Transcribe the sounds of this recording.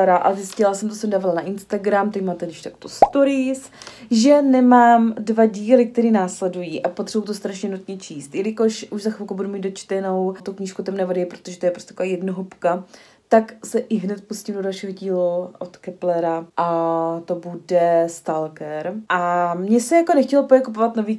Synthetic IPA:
ɾaʔa̰zɪscɪlasɛmt̪osɛmdaːvalanaʔɪnst̪aɡɾamt̪ɛcmaːt̪ɛɡdɪʃt̪akt̪ost̪oɾɪs | ʒɛnɛmaːmdvaɟiːlɪk̚t̪ɛɾiːnaːslɛdujiːʔapo̞t̪r̥ɛbowt̪ost̪ɾaʃɲɛnut̪ɲɛt͡ʃʰiːst̪jɛlɪkoʃʔuʒzaxɪlˠkowbudumiːd̪̚dot͡ʃt̪ɛno̞wt̪ukɲiːʃkut̪ɛmnɛvadɪɛpɾot̪oʒɛt̪ojɛpɾost̪ʲɛt̪akoaːjɛdnoɦupka | t̪aksɛʔɪɦnɛt̪̚puscimdodalʃiɦoɟiːluʔot̪kɛplɛɾaʔat̪o̞budɛst̪alkɛɾʔamɲɛsɛjakonɛxcɛlopojɛkup̬ovat̪noviː

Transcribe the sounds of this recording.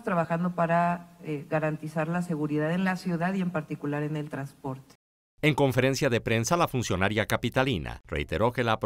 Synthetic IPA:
st̪ɾaβaxand̪opaɾaeɣaɾant̪isaɾlaseɣuɾiðaðe̞nlasjuðaðie̞mpaɾt̪ikulaɾe̞ne̞lt̪ɾanspo̞ɾt̪e̥ | e̞ŋko̞ɱfe̞ɾe̞nsjaðe̞pɾe̞nsalafunsjo̞naɾjakapit̪alina̰rḛjt̪e̞ɾo̞ke̞laːp

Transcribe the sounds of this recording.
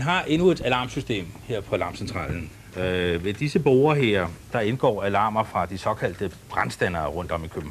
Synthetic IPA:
nɦɑ̈ʔe̝nue̝d̥ælɑ̈ːmsysd̥e̝̰ːmheɐ̰pʰɒ̽ælɑ̈msent͡sʰʁɑ̰̈ːln̩ | ʋe̝d̥isəb̥o̝ʊɐɦeɐ̰d̥ɑ̈e̝nɡ̥ɒ̰ːælɑ̈ːmɐfʁɑ̈d̥isɒ̽kʰæl̰d̥əb̥ʁɑ̈nsd̥ænɐːʁɔ̽n̰d̥ɒ̽mikʰøb̥n̩

